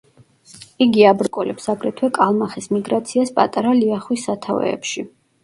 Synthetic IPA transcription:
iɡiabɾkʼɔlɛpsaɡɾɛt̪ʰwɛkʼalˠmaχɛsmiɡɾat̪sʰiaspʼa̰t̪ʼaɾaliaχwisːat̪ʰavɛ̰ːpʃi

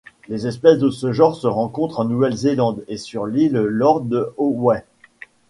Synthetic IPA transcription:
lezɛspɛsd̪əsəʒɑʁsəʁɑ̃kɔ̃t̪χɑ̃nuvɛlzelɑ̃d̪esyʁliləlɔʁd̪əowɛ

